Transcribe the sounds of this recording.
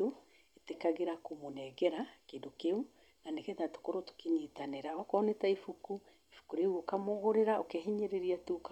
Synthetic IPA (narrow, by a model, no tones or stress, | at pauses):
o | etekaɣeɾakomonɛɣɛɾakedokeu | nanekɛtato̥koɾoto̥keɲiːtaneɾaɔkɔːnetaifuku | efu̥kuɾeuokamoɣoɾeɾaokeɦeɲeɾeɾiatuka